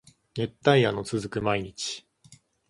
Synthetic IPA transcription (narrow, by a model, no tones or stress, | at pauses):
ne̞t̪ːaiano̞t͡sɨzɨkɯ̟maiɲ̟it͡ɕi̥